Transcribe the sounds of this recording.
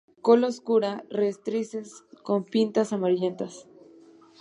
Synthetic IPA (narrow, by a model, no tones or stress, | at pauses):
kolooskuɾarest̪ɾisesko̞mpint̪asamaɾiʎe̞nt̪as